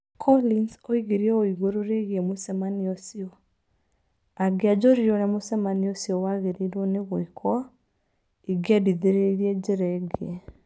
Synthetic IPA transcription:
kʰɔlinsoiɣeɾiɔoiɣoɾoɾeɣiemosɛmaniosiɔ | aɡead͡ʒɔɾiɾoɾɛmosɛmaniosiɔwaɣeɾiɾɔneɣwɔikʰɔa | iɡiadiðeɾeiɾiɛd͡ʒeɾɛɡɛ

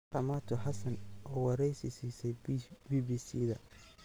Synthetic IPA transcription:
ɐmat̪ʰʊhɑsɐnʔɔːwɑɾɛjsɪsiːsɛjbiːbiːsiːðɐ

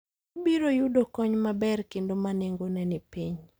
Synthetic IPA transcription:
obiɾojudokɔɲmabɛrkendomaneŋɡonɛnɪpiɲ

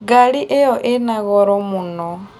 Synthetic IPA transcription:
ɡaɺiʔeɔʔɪnaɣɔɾɔmunɔ

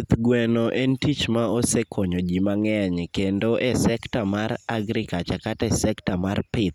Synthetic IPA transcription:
t̪ɡwɛnoʔɛntit͡ʃmaosekʰoɲod͡ʒimaŋɛɲkendoʔesɛktamaraɡɾikat͡ʃakatɛsɛktamarpɪt̪

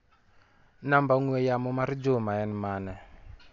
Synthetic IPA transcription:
nambauŋɛjamɔmaɾid͡ʒomaɛnmanɛ

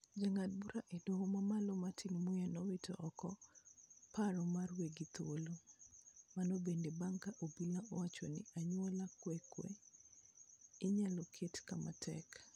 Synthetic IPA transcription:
d͡ʒaŋat̚buɾaʔedwoŋomamalomatʰinmujɛnɔwɪtʰɔʔɔkɔ | paɾɔmarweɡit̪olo | manobendebaŋkaʔobilaɔwat͡ʃo̰nɪ̰aɲwolakwɛkwḛ | ɪɲalɔkʰetkamatʰɛ̰k

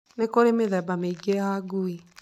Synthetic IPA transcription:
nekoɾemeðɛbameiɡejaɡui

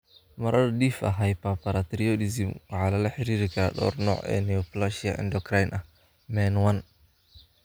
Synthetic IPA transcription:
mɐɾɐðɗiːfɐ̰ɦɐjpapɐɾat̪ɾiɔdɪsɪmwɑħɑːlɐlɐħɪɾiːɾɪkʰaɗɔ̰ːrnɔːʕɛ̰ːnɛɔplaʃɪɐʔɪ̰ndɔkɾajnʔɐh | mɛnwɐn

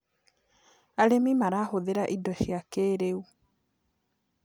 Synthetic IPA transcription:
aɾemimaɾahoðeɾaʔidɔɕjakeːɾeu

